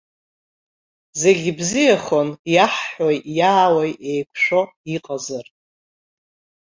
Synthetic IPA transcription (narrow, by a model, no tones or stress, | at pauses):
ze̞ɡʲibzijaχo̞njaħħojjaːwajʔejkʷʰʂo̞ | iqʼazar